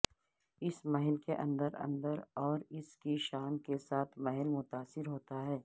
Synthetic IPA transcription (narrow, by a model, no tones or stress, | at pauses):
ɪsmɐɦɪlkeʔɐ̃nd̪əɾɐ̰̃nd̪əɾɔːɾɪskiʃaːnkesaːt̪ʰmɐɦɪlmʊt̪aːsɪɾɦoːt̪aɦɛː